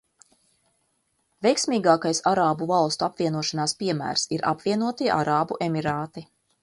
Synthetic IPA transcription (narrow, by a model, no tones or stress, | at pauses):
vʲɛjksmʲiːɡaːkajsaɾaːbuvɑlˠst̪uapviɛnuɔʃanaːspiɛmæ̰ːɾsiɾʔa̰pviɛnuɔt̪iʔa̰ɾaːbuʔɛmiɾaːt̪i